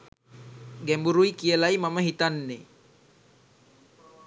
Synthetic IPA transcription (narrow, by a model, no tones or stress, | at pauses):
ɡɛmbuɾuikiəlaimamaɦit̪anːe